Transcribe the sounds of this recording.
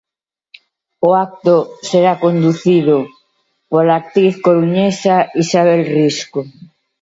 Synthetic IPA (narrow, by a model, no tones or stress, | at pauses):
oak̚t̪oseɾakond̪uθiðo | polak̚t̪ɾiθkoɾuɲesaisaβ̞elrisko